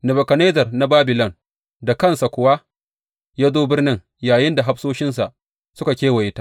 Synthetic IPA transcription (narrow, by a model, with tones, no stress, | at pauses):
nɪ˨bɐ˨kɐ˨ne˦zɐ˨rna˦baː˦bɪ˨lɐ˦˨n | da˨kɐ˦˨nsa˨kʷʊ˨wa˦ | jaː˦zoː˦bɪ˦rnɪ˦ŋ | jaː˨jɪ˦nda˨ɦa˦ɸsoː˦ʃɪ˦nsa˨ʔ | sʊ˦ka˨kʲeː˦wɐ˨jɪ˦taː˦